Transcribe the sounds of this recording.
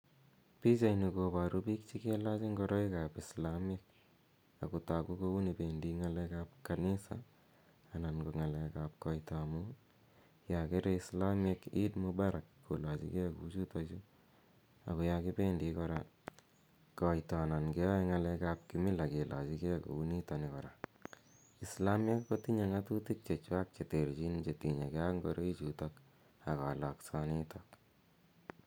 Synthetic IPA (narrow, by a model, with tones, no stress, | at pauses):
pi˦t͡ʃa˨jni˨ko˨pa˨ɾu˦pi˦k̚t͡ʃi˦ke˦lat͡ʃi˦ŋɡɔɾɔ˦i˦ka˨pi˨slami˦k̚ | a˨ko˨ta˨ku˦ko˦u˦ni˨pe˨ndi˦ŋa˦lɛ˦kap̚kani˦sa̰˨ | a˨na˨nko˨ŋa˨lɛ˨ka˨p̚kɔ˨itɔ˨mu | ja˨ke˦ɾe˦isla˦me˦ki˦tmu˦ba˦ɾa˨kko˨la˨t͡ʃḭ˦kɛ˦ku˦t͡ʃu˦tɔt͡ʃu˦ | a̰˨ko˨˧ja˧ki˦pe˦ndikɔ˧ɾa̰ | kɔ˨jtɔ˨na˨nkɛ˦ɔ˦ŋalɛ˧kap̚ki˦mi˦la˨ke˨la˨t͡ʃi˦ke˦ko̰˨u˦ni˦tɔ˨nikɔ˨ɾa˨ | i˨sla˦me˦kko˦ti˦ɲe˨ŋa˦tu˦ti˦k̚t͡ʃe˨t͡ʃwa˦k̚t͡ʃe˨te˨ɾt͡ʃi˦nt͡ʃe˨ti˨ɲe˨kea˦ŋɡo̰˦ɾʔe˦i˦t͡ʃu˨tɔ˦k | a˨ka̰˨lɔ˨ksɔ˦ni˦tɔk̚